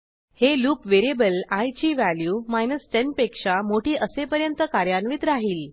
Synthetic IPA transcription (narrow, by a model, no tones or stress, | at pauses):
heluːkʋeɾiebəlajt͡ɕiːʋæljuːmajnəsʈeɳɖpekʂamoʈiːʔəsepəɾjənt̪əkaɾjanʋiːt̪ɾaɦiːl